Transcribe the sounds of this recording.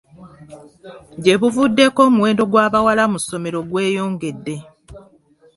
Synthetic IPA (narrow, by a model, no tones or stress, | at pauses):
ɟe̞βuvudːe̞ko̞ːmuwe̞ːndo̞ɡwaːβawalamuso̞me̞ɾo̞ɡwe̞ːjo̞ːŋɡe̞dːe̞